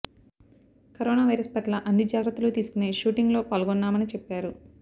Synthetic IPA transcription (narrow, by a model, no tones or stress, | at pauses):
kɐɾoːnaːʋɐjɾɐspɐʈlɐʔɐnːid͡ʒaːɡɾɐt̪ːɐlut̪iːsu̥kune̞ːʃuːʈiŋɡlo̞ːpaːlɐɡonːaːmɐnit͡ʃɛpːaːɾu